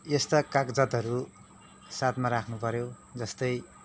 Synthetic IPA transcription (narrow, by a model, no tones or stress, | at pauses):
est̪ʌkakd͡zʌt̪ɦʌɾu | sat̪maɾakʰnupʌɾjo | d͡zʌst̪ʌj